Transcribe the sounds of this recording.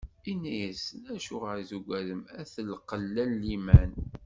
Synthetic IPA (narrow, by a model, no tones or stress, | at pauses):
inːæjəsnæʃuʁəɾzuɡʷæðəmæθəlqəlːænːimæn